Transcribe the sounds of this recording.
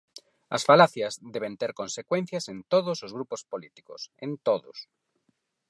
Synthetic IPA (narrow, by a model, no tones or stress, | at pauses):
ɐ̰sfalaθjazðeβ̞ẽnt̪eɾkõnsekwẽn̟θjasẽnt̪oðosozɣ̞ɾupospolit̪i̥ko̰sḛ̃nt̪oðo̰s